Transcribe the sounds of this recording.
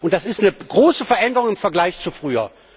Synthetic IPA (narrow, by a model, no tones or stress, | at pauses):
ʔʊnt̚d̥asɪstnəɡ̥ʁoːsəfɛɐʔɛndəʁʊŋɪmfɛɐɡlaɪçt͡sufʁ̥yːɐ̰